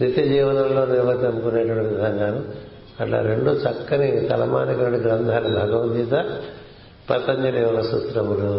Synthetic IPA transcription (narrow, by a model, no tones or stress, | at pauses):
nit̪ɐd͡ʒiːʋɐnɐlloːniɾʋɐd̪ɐmkuneːʈɐʋɐɐiɡɐŋɡaːnɐ | ɐʈla̰ːɾeɳɖuːt͡ʃɐkːɐnit̪ɐlɐ̰ma̰ːnikɐʋɐɖiɡɾɐnd̪ʱaːnɐbʱɐɡɐʋd̪iːt̪ɐ | pɐt̪ɐɲd͡ʒɐleːʋɐnɐsut̪ɾɐmuɾu